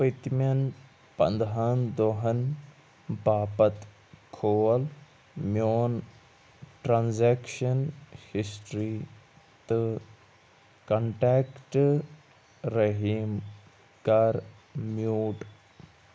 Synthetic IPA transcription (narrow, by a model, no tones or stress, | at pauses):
pɐt̪mɐn | pɐ̰nd̪ɦɐnd̪oɦɐn | baːpɐt̪ | kʰoːl | mjoːn | ʈɾaːnzeːkʃɐnhisʈɾiː | t̪ɨ | kɐɳʈeːkʈ | ɾɐɦiːm | kaɾ | mjuːʈ